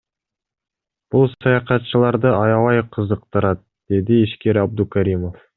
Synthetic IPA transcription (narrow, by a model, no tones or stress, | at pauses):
b̥ʊlˠsɑjɑqɑt̪ʃəlˠɑɾd̪əɑjɑwɑjqʰəzəq̚t̪əɾɑt̪ | d̪̥e̞d̪ɪeʃkʲe̞ɾɑb̚d̪ukʲʰaɾimo̞f